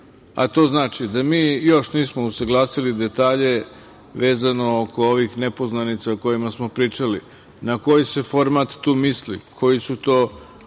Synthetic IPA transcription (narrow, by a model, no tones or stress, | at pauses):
a̰t̪o̞ːznaːt͡ʃid̪amiːjo̞ʃniːsmousaɡlˠaːsilid̪e̞t̪aːʎe̞ | ʋe̞ːzano̞oko̞oʋixnepo̞znanit̪sauko̞jimasmo̞pɾiːt͡ʃali | nako̞jise̞fo̞ɾmat̪ːuːmislḭkʰo̞jisut̪o̞ː